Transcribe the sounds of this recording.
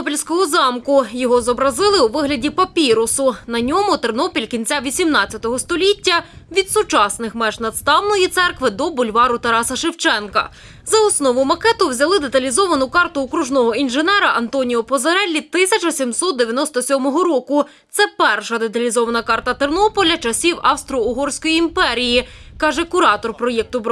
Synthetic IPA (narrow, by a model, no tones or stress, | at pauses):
pʲilʲsʲkɔɦɔzɑmkʊjɔɦɔzɔbɾɐzɪlˠɪuʋɪɦlʲɐdʲipɐpʲiɾʊsʊnɐnʲɔmʊt̪ernɔpʲilʲkʲinʲt͡sʲaʋʲisʲimnɑt͡st͡sʲːɐt̪ɔɦɔst̪ɔlʲitʲːɐʋʲid̪sʊt͡ʃɑsnɪxmɛʒnɐd̪st̪ɑwnɔjit̪sɛrkʋɪd̪ɔbʊlʲʋɑɾʊt̪ɐɾɑsɐʃɪwt͡ʃɛnkɐ̰ | zɐɔsnɔʋʊmɐkɛt̪ʊwzʲɐlˠɪd̪et̪ɐlʲizɔʋɐnʊkɑrt̪ʊːkɾuʒnɔɦɔinʒenɛɾɐʔɐnt̪ɔnʲijɔpɔzɐɾɛlʲːit̪ɪsʲɐt͡ʃɐsʲimsɔt̪̚d̪eʋʲjɐnɔst̪ɔsʲɔmɔɦɔɾɔkʊ | t̪sɛpɛrʃɐd̪et̪ɐlʲizɔʋɐnɐkɑrt̪ɐt̪ernɔpɔlʲɐt͡ʃɐsʲiwɐwst̪ɾɔʊɦɔrsʲkɔjiimpɛɾʲijikɑʒɛkʊɾɑt̪ɔrpɾɔjɛk̚t̪ʊbɾ